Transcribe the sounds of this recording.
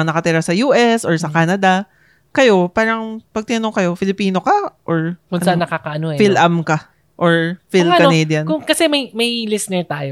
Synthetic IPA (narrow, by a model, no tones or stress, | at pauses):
nɐkɐt̪iɾasɐjuːʔɛsʔɔɹsɐkaːnɐd̪ɐ | kɐjo̞paːɾɐŋpɐɡ̚t̪ɪnɐnoŋkɐjo̞fɪlɪpiːno̞kɐʔoɹkʊnɐanːɐkaːkɐʔɐnoɛfilʔɐmkɐ | ʔoɹfilkɐnɛːd̪jɐnkʊŋkɐsɛmɐjmɐjlɪsnɛɹt̪aːjo